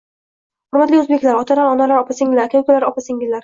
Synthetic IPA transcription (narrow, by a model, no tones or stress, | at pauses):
hʊɾmat̪liɵzbekʲlaɾɒt̪ʰalaɾɒnalaɾɒpasɪŋlaɾkʲawkʰʊlaɾɒpasɪŋɪzlaɾ